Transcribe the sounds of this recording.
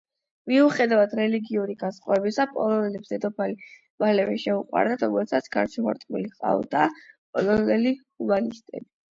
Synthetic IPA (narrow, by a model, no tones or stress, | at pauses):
miuχɛd̪avad̪ɾɛliɡiuɾiɡasχʼaɛbisapʼɔlˠɔnɛlɛbsd̪ɛd̪ɔpʰali | valɛvɛʃɛuqʼwa̰ɾd̪at̪ʰɔɡɔlt̪sʰat̪sʰɡ̥aɾt͡ʃʰɛma̰ɾt̪ʼmḭliqʼa̰vd̪̥apʼɔlɔnɛlihubalist̪ʼɛ̰bi